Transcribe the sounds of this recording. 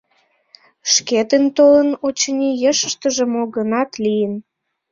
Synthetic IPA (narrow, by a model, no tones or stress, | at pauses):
ʃket̪ənt̪olənot͡ɕənʲijəʃəʃt̪ə̆ʒə̆moɣənɑt̪lijən